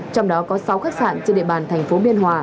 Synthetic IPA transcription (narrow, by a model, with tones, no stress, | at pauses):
t͡ɕɔ˧wŋ͡mɗɔ˨˦kɔ˨˦sa˨˦wxaː˦˥k̚sa̰ː˧˨nt͡ɕɔ˧ɗḛ˧˨ɓaː˨˩nt̪ʰɛ˨˩jŋ̟fo˨˦ɓi˧ənɦwaː˨˩˦